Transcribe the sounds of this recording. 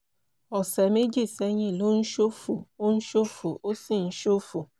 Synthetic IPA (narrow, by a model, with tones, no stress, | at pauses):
ɔ˨se˨me˦d͡ʒi˦˨se˦ɲɪ˦˨lo˦n̩˦ʃo˦fu˨o˦n̩˦ʃo˦fu˨ʔo˦si˦n̩˦ʃo˦fu˨